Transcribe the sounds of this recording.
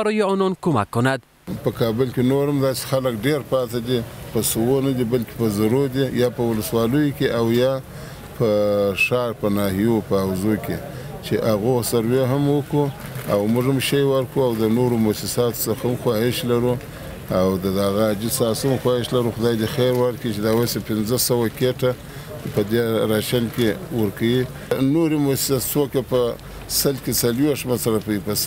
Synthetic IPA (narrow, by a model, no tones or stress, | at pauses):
baɾɔjeɔnɔnkoma̰kːʊnad̪ | pəkɑbɪlkʲenoɾamd̪ɑse̥xaləkɖeɾpɑt̪ad̪ipəsuwonad̪ibalkʲe̥pəzaɾod̪ijɑpəwʊləswɑləjokʲeʔawjɑ | pəʂɑɾpənɑhijopəawzokʲʰe | t͡ʃeʔaɣosaɾweɦamwəkua̰wmʊʐamʃajwaɾkuawd̪ənoɾomosɪsɑt̪səxamxwɑhɪʃlaɾu | awd̪əd̪aɣaːd͡ʒisɑsəmxwɑhɪʃlaɾuxʊd̪ɑjd̪exeɾwaɾkit͡ʃed̪ɑwasepɪnzəsawakeʈa | pəd̪eɾɑʃalkewəɾkawi | noɾimosɪ̥ssokapə | salket͡salwexʂmasaɾapaipas